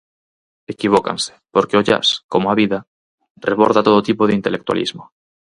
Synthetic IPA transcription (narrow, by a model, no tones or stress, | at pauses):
ekiβ̞oka̰nse̥poɾkeoʝa̰skomoaβiða | reβ̞oɾðat̪oot̪ipoðeint̪e̞lek̚t̪wa̰lʔḭzmo